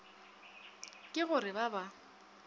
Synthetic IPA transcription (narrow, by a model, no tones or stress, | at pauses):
kʼɪɣʊɾɪbaba